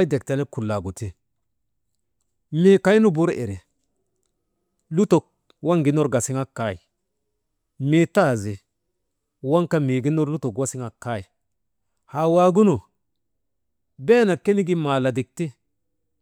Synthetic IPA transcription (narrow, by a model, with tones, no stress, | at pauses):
de˨k̚ta˨ne˦ku˨lːa˨ɡu˨ti˦ | mi˦˨ka˦ji˦nu˦bu˦ɾḛ˨ɾe˨ | lu˦to˨k̚ | wa˦ŋɡi˦no˦ɾɡa˨si˦ŋa˦kːa˦i˨ | mi˨ta˦˨zi˨ | wa˦ŋka˦mi˨ɡi˦no˦ɾlu˦to˨kwa˦si˦ŋa˨kːa˦i˨ | ha˨wa˨ɡu˦nu˨ | be˦na˨ke˦ni˦ɡi˦ma˨la˨di˨k̚ti˦